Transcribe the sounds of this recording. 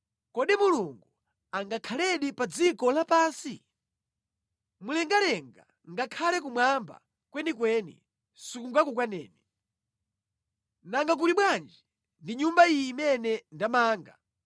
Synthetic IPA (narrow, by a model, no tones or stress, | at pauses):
kɔɗimuluŋɡu | aŋɡakʰalɛɗipad͡zikɔlapaːnsi | mulɛŋɡalɛŋɡa | ŋɡakʰalɛk̬umwamba̰ | kwɛnikwɛnḭ | sukuŋɡakuk̬wanɛ̰ːni | naŋɡak̬uɾiɓwand͡ʒi | ndiɲumbaiːmɛnɛndamaːŋɡa